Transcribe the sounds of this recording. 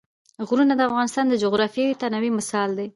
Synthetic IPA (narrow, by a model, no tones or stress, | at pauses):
ɣɾunad̪əafɣɑnɪst̪ɑnd̪əd͡ʒʊɣɾɑfjat̪anawimɪsɑld̪e